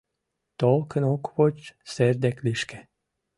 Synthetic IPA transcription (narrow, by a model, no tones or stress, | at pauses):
t̪olˠkə̆nokβot͡ɕserd̪ækliʃkĕ̥